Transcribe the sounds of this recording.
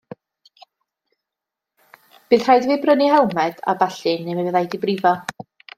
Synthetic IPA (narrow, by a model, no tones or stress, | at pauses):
b̥ɨːðr̥ajdviːbrənihɛlˠmɛd̥a̰baɬɨnːevɛvɛðajdibrivɔ